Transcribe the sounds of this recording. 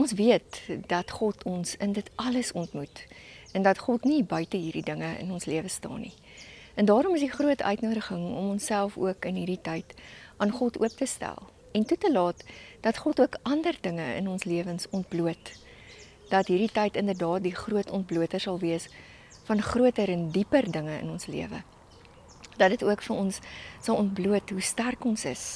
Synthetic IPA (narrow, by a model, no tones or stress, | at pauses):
ɔnsviətd̥ɐtχɔtʰɔnsəndətɐləsɔntmut | ɛndɐtχɔtnibœɥtəɦiːrdidəŋəə̰nɔnsliəvəstɑ̰ːnḭ | ɛndɑːɾɔməsdiχruətəœ̰ɥtnuəɾəχəŋɔ̰mɔnsælˠfṵəkənɦiːrɾditɐjtʔɑːnχɔtṵəp̚təstæ̰lˠ | ɛntutəlɑːtd̥ɐtχɔtuəkɐndərdəŋəə̰nɔnsliəvənsɔnt̚bluət | d̥ɐtɦiːrditɛjtəndərdɑːt̚diχruətɔnt̚bluətərsɐlˠviəs | fɐnχruətəɾɛndipərdəŋəə̰nɔnslḭəvə̰ | d̥ɐt̚dətuəkfəɾɔnsːɐlɔntbluətɦustærkɔnsə̰s